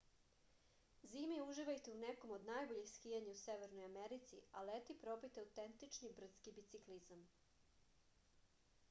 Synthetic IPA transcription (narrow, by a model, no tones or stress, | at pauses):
ziːmeuʒiʋajt̪euneko̞mod̪najbo̞ʎexskijaɲauseʋeɾnojameɾit̪sialet̪ipɾopijt̪eawt̪ent̪it͡ʂnibr̩t̪skibit̪siklizam